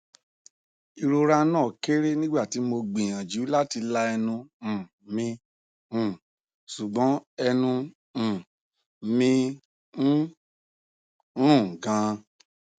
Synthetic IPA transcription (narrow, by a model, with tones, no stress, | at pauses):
i˧ɾo˧ɾa˦nãː˦˨ke˦ɾe˦nĩ˦ɡ͡ba˦˨ti˨˦mo˧ɡ͡bĩ˨j̃ã˨d͡ʒu˨˦la˦ti˧la˧ɛ˧nũ˧˨ | mĩ˧˨ | su˨ɡ͡bɔ̃˨˦ɛ˧nũ˧˨ | mĩ˧ | n̩˦˨ | ɡã˨˦